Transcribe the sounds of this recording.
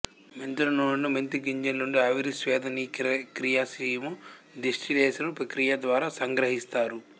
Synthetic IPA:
ment̪uɾɐnoːnɐnument̪iɡiɲd͡ʒɐnːuɳɖiɐʋiɾisʋɛːd̪ʱɐniːkɾijasiːjmu | d̪iʂʈʰid̪eːsɐnupɾɐkɾijɐd̪ʋaːɾaːsɐŋɡɾɐɦist̪aːɾu

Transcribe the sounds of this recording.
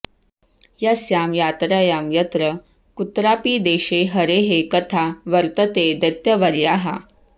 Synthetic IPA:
jasjamjat̪ɾajamjət̪ɾə | kut̪ɾapiːd̪eɕeɦəɾeɦekət̪ʰaʋəɾt̪ət̪ed̪ət̪jəʋəɾjaɦa̰

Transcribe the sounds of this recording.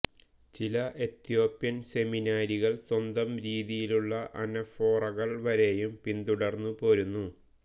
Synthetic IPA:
t͡ɕilɐʔe̞t̪jo̞ːpjɐnse̞minaːɾiɣɐɭswɐnd̪ɐmɾiːðijiluɭːɐʔɐnɐfo̞ːrɐɣɐɭʋɐɾe̞jumpind̪uɽɐrnːupo̞ːɾunːu

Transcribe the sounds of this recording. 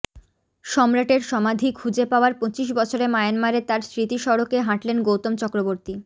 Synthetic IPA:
ʃɔmɾaʈeɾʃɔmad̪ʱikʰud͡ʑepaoaɾpõt͡ɕiʃ̬bɔt͡ɕʰoɾemajanmaɾet̪aɾsɾit̪iʃɔɾokeɦãʈlenɡowt̪omt͡ɕɔkɾoboɾt̪i

